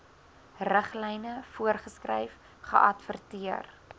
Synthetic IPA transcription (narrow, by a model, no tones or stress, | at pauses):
rəχlɛjnəfuərχəskrɛ̰jf | χə̰ʔɐtfərtiər